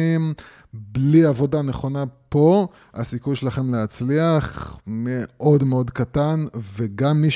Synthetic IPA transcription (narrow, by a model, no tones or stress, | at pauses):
im | bliavo̞dane̞χo̞napo̞ | a̰sikujʃelaχe̞mlehat͡sliaχmeʔo̞dmeo̞dkatanveɡamːiʃ